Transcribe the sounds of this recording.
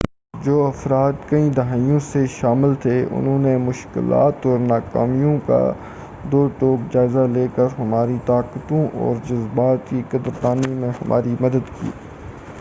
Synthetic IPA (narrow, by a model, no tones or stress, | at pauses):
d͡ʒoːɐfɾaːd̪kɐĩd̪ɐɦaːijõseʃaːmɪlt̪ʰeʊ̰nɦõːnemʊʃkɪ̰la̰ːt̪ɔːɾnaːka̰ːmijõka̰ | d̪oːʈoːkd͡ʒaːɪzaleːkəɾɦɐmaːɾit̪aːqət̪õʔɔ̰ːɾd͡ʒʊzbaːt̪kikɐd̪əɾd̪aːnimẽhɐmʔa̰ːɾimɐd̪əd̪kḭː